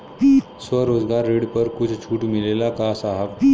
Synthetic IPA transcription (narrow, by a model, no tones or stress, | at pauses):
sʋəɾod͡zɡaɾːiɽpəɾkut͡sʰt͡ɕʰuːʈmilelakasaɦaʋ